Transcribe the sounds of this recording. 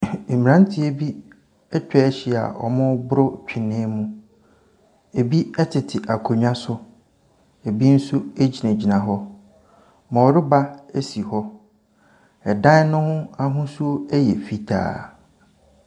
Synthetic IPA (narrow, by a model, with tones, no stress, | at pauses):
m˨ɾã˦n˦tʰɪ˦e˦bi˦ | ɛ˦t͡ɕᶣɛ˦ɕɪ˨˦˨a̰˨ʔɔ̰˨mʊ̃˦bʊ˦ɾʊ˦˨t͡ɕᶣɪ˨nɪ̃˦mũ˦ | e˨bi˦ɛ˦tʰɪ˨tʰɪ˨ʔa˨kʰo˨ɲᶣã˦sʊ˦ | e˨bi˦n̩˦su˦e˦d͡ʑi˨næ̃˨d͡ʑi˨nã˨ɦɔ˦ | mã˨ɔ˨ɾɪ˦ba˦e˦si˨hɔ˦ | ɛ˨dã˦nʊ̃˦hʊ̃˦a˦ɦʊ̃˦su˦o˦ɛ˦jɛ̰˨fi˨tʰa̰ː˦˨